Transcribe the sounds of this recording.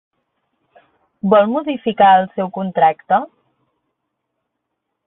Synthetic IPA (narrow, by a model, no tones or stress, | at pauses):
bɔlˠmuðifikaəlˠsɛwkunt̪ɾakt̪ə